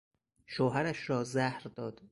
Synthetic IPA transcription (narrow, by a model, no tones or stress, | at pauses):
ʃoːɦæɾæʃɾɒːzæhɾd̪ɒːd̪̥